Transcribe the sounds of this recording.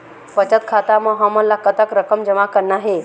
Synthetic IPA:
pət͡ɕət̪̚kʰat̪aməɦaməlːakət̪əkɾəkʰəmd͡ʒəmakəɾnaɦe

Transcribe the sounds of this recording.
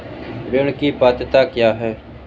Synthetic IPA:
ɾeɽ̃kiːpaːt̪t̪aːkjaːɦɛː

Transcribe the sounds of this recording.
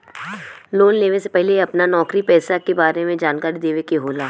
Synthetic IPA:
loːnleːʋesepɛɦleɐpnanɔːkɾipɛːsakebaːɾemẽd͡ʒaːnkaːɾid̪eːʋekeɦoːlaː

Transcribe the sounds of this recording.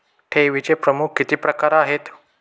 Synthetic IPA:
ʈʰeʋit͡ɕepɾəmukʰːit̪iːpɾəkaɾaɦet̪

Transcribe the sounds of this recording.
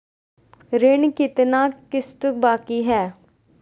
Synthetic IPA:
ɾɪɳkɪt̪nãːkɪst̪ək̚baːkiːɦɛː

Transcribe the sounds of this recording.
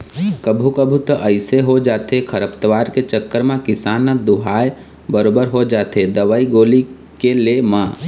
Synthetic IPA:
kəbʱukəbʱut̪əʔəɪseɦod͡ʒaːt̪ekʰəɾəpt̪əʋaːɾket͡ʃəkːəɾmãkɪsaːnəd̪uɦaːj | bəɾoːbəɾɦod͡ʒaːt̪ed̪əʋaiɡoːli | kelemã

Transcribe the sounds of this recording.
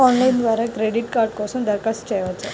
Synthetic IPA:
ɔnlaind̪ʋaɾakɾeɽiʈkaɾʈ̚kɔsund̪əɾkast͡ɕɛjʋat͡sa

